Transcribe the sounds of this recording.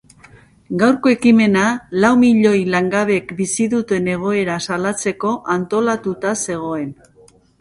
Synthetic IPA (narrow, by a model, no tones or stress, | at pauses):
ɡawɾko̞e̞kime̞nalawmiʎo̞jlaŋɡaβ̞e̞kbisiðut̪e̞ne̞ɣ̞o̞e̞ɾasalat͡se̞ko̞ʔant̪o̞lat̪ut̪ase̞ɣ̞o̞e̞n